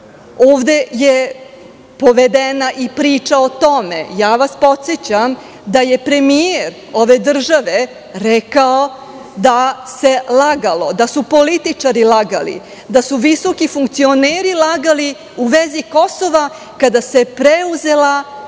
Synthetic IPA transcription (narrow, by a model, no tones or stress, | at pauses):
oːʋd̪e̞je | po̞ʋed̪enaʔipɾiːt͡ʃaot̪o̞mḛjaːʋaspo̞t̪set͡ɕam | d̪aje̞pɾe̞mijeɾ | o̞ʋe̞d̪r̩ʒaʋe̞ | ɾɛkao̞ | d̪ase̞laɡalˠo̞d̪asupo̞lit̪it͡ʃaɾilaɡa̰lḭ | d̪asuʋiso̞kifuŋkt̪sio̞neːɾilaɡali | uʋeziko̞so̞ʋa | kad̪ase̞pɾeuze̞la